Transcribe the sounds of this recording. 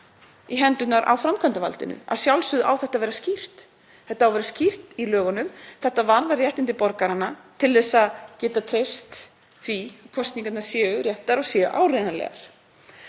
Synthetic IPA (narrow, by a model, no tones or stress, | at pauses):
iɦɛnt̪ʏt̪naɾʔa̰wfɾamkʰœnt̪ava̰lt̪ɪ̰nʏ̰a̰ðsjawlsʏðʔa̰wθɛht̪avɛːɾascir̥t̪ | θɛht̪aawvɛɾascir̥t̪ilœːɣʏnʏmθɛht̪avaɾðarjɛht̪ɪnt̪ɪpɔɾkaɾanːat̪ʰɪlðɛsaðcɛːt̪at̪ʰɾest̪ | θviakʰɔst̪niŋkat̪naɾ̥sjɛːɣʏɾjɛht̪aɾɔsjɛʔa̰ːwrɪðanlɛ̰ɣa̰ɾ̥